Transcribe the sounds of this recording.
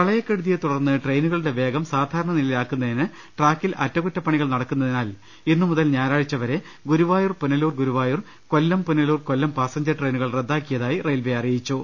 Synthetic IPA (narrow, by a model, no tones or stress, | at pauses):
kɐɭɐjɐkːeɽuðijet̪uɽɐrnːɨʈrejnuɣɐɭɨɽe̞ʋe̞ːɡɐmsaːd̪ʱaːɾɐɳɐnilɐjlaːkːunːɐðinɨ | ʈraːkːilɐ̰tːɐkutːɐpːɐɳiɣɐɭnɐɽɐkːunːɐðinaːl | enːɨmuðɐlɲaːnaːɻit͡ɕːɐʋɐɾe̞ | ɡuɾuʋaːjurpunɐluːrɡuɾuʋaːjur | ko̞lːɐmpunɐluːrkolːɐmpaːsɐɲd͡ʑɐrʈrejnuɣɐɭred̪ːaːkːijɐðaːjirejlbeɐrijit͡ɕːu